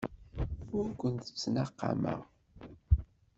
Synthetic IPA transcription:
ʊɾkʷːənt̪ə̥t͡sːənaqːɑ̰mə̰ʁ

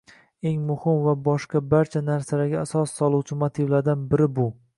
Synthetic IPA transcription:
e̞ŋmʊhɪmvabɒʃqɑbaɾt͡ʃʰanaɾsalaɡʲaasɒsːɒlˠuwt͡ʃʰɪmot̪ʰivlaɾd̪anbɪɾɪbʊ

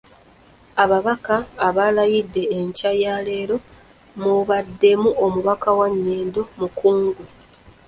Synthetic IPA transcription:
aβaβakaːβalajidːe̞ːɲcajaːle̞ːɾo̞ | muβadːe̞muomuβakawaɲːe̞ːndo̞mukuːŋɡwe

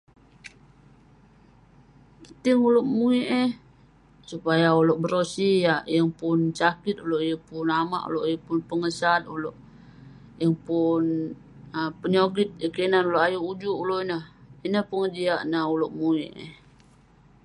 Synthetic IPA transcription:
pət̪iŋuloʔmuiʔe | supajauloʔbəɾosijajəŋpʊnsakit̪̚uloʔijəpunama̰ʔṵloʔijəpunpəŋəsat̪̚uloʔ | jəŋpun | əpəɲoɡit̪̚jəkenanuloʔajuud͡ʒuʔuloʔinəhinəhpuŋəd͡ʒiaʔnauloʔmuiʔə̰h

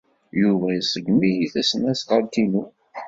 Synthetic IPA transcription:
juvæjəsəɡmijiθæsnæsʁəɾt̪inu

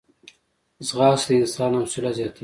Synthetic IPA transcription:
zʁɑːsd̪əɪnsɑːnawsulazjɑːt̪ʰi

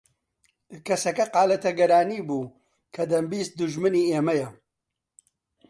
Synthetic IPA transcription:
kɐsɐkɐqɑːlɐt̪ɐɡɐɾaːniːbuː | kʰɐd̪ɐmbiːst̪̚d̪ʊʒmɨniːeːmɐjɐ

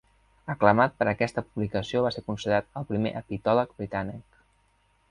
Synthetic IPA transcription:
əkləmat̪̚pəɾəkɛst̪əpuβlikəsioβaseɾkunsiðɾat̪əlˠpɾimḛʔəpit̪ɔlək̚bɾit̪anik

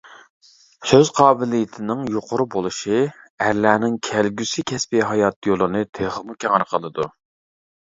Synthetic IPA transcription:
søzqʰɑːbɪlijɪt̪ʰɪnɪŋjoqʰʊɾʊbolˠɨʃiæɾlæːnɪŋkʲʰælɡʲysɪkʲʰɛspɪɦɑjɑt̪̚jolˠɨnɨt̪ʰeχəmukʲʰeʁɑɾqʰəlˠɨd̪u

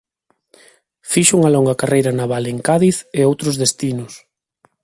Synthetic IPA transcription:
fiʃʊuŋɐlɔŋɡɐkarʔejɾɐnaβaleŋkaðiθeowt̪ɾʊzðest̪inʊs

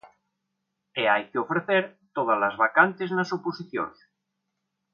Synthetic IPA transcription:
eajkeofɾeθeɾt̪oð̞alazβakant̪eznasoposiθjo̰ns

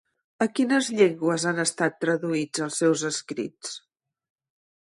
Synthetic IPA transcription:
əkinəzʎeŋɡwəzanəst̪at̪ːɾəðuid͡zəlˠsɛwzəskɾḭt͡s

